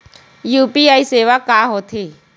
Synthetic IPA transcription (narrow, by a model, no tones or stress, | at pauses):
juːpiːaːiseːʋakaːɦoːt̪ʰiː